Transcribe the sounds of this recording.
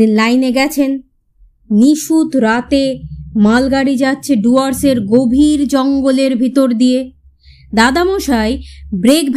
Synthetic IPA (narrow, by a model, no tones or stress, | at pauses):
inlajneɡɛt͡ɕʰenː | iʃut̪ɾat̪emalɡaɽid͡ʑatːɕʰeɖuaɾseɾɡobʱiɾd͡ʑɔŋɡoleɾbʱit̪oɾd̪ije | d̪ad̪amoʃaejbɾek̚bʱ